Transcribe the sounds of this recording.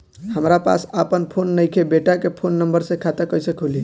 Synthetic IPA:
həmɾapa̰səpənpʰonːəjkʰebeʈakepʰonːəmbəɾsẽkʰat̪əkəjsəkʰoli

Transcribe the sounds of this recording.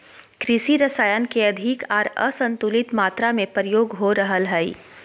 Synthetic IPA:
kɾɪʃiɾɐsaːjənkeɐd̪ʱɪkɔːɾə̰sɐ̃nt̪ulɪt̪maːt̪ɾamẽpəɾɪjoːɡɦoɾɐɦəlɦɛḭ

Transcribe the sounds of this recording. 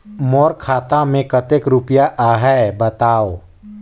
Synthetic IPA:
mɔːɾkʰaːt̪ãmẽkɐt̪ekɾʊpjaʔaːɦɛbɐt̪aːo

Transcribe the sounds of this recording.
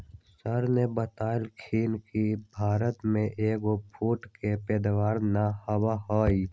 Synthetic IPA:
sɐɾnebɐt̪aːlkʰiːnkibʱaːɾət̪mẽʔeːɡopʰuːʈkepɛːd̪waːɾnahɐwaɦaːi

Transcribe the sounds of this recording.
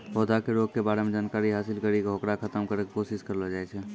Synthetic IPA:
ɦod̪ʱakeɾoːɡ̚kebaːɾemẽd͡ʒaːnkaːɾiɦaːsɪlkəɾikeɦokɾakʰət̪əmkəɾekkoːsɪskəɾlad͡ʒaːɛt͡ʃʰɛ

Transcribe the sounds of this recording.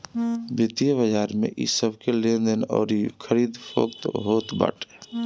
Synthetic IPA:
bɪt̪ijəbəd͡ʒaːɾmḛ̃ʔḭsəbʱkelend̪ənɔ̰ːɾikʰəɾiːd̪pʰo̰kt̪ɦoːt̪ba̰ːʈʰe̥

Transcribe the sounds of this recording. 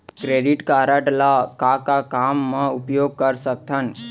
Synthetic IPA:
kɾeɖiʈkaɾəʈlakakakamːeupjoɡ̚kəɾsək̚t̪ʰən

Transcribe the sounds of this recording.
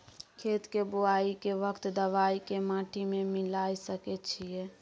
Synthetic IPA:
kʰeːt̪keboaːikeʋəkt̪d̪əʋaːikemãːʈʰimẽmɪlaːisəkɛt͡ʃʰie

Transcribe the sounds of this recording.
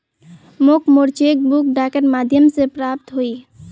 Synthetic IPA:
mokmoɾt͡ʃek̚bukɖakeʈmad̪ʱjəmsepɾap̚t̪ɦoi

